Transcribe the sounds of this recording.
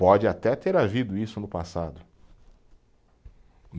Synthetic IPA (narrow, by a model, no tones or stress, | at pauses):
pɔd͡ʒɪat̪ɛt̪eɾavid̪ʊisʊnʊpasad̪ʊ | n